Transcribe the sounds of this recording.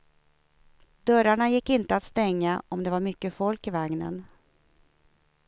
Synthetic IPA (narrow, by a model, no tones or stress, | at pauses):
d̪œɾaɳajɪkːɪnt̪əat̪st̪ɛŋːaɔmd̪ɛvaɾmʏkːəfɔlkɪvaŋnə̰n